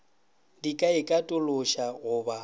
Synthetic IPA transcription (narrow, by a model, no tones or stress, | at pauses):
dikʼaɪkʼatʼʊlʊʃaɣʊːba